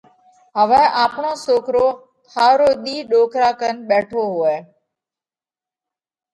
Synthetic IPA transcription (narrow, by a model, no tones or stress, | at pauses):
ɦəʋɛ̃ːʔaːpɳoːsoːkɾoː | haːɾoːɗ̪iːɗoːkɾaːkənɓɛːʈʰoːɦʊeː